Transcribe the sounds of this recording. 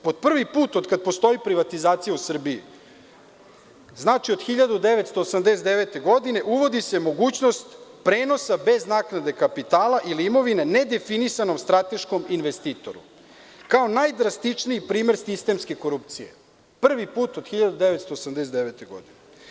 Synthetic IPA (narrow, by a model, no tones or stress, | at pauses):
po̞d̪̚pr̩ʋipuːt̪od̪kad̪̚post̪o̞ipɾiʋat̪izaːt̪sijausr̩biḭ | znaːt͡ʃiod̪xiʎad̪ud̪e̞ʋet̪st̪o̞ːsamd̪eset̪d̪eʋet̪e̞ɡo̞d̪ine̞ʔuʋo̞d̪ise̞mo̞ɡuːt͡ɕno̞st̪pɾeːno̞sabe̞znaːknad̪e̞kapit̪aːlaʔilimo̞ʋine̞ne̞d̪e̞finisano̞mst̪ɾat̪e̞ʃko̞minʋest̪iːt̪o̞̰ɾṵ | kao̞najd̪ɾast̪it͡ʂniipɾiːmeɾsist̪e̞mske̞ko̞ɾupt̪sije̞̰ | pr̩ʋipuːt̪od̪xiʎad̪ud̪eʋet̪st̪o̞ːsamd̪esed̪eʋet̪eɡo̞̰d̪ine